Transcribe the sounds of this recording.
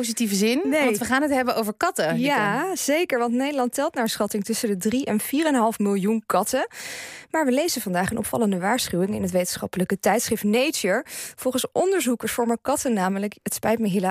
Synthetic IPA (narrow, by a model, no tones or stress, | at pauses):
ozitivəzɪnnetʋəχaːnɦətɦɛbənʔowvəɹkɑtəjaz̥ejkəɹʋɑntnejdəlɑntɛlˠtnaːɹsχɑtɪŋtɵsəndədriʔɛnv̥iːrɛnɦɑlˠfmɪlˠjunkɑtəmaːɹʋəlejzənvɑndaːχənʔɔ̰pfɑ̰ləndəʋaːɹsχywɪŋɪ̰nɦətʋejtənsχɑ̰pələkətɛjtsχrɪftnejt͡ʃəɹv̥ɔlˠχənsʔɔndəɹzukəɹsfɔɹməkɑtənaːmələkətspɛjtməɦɪl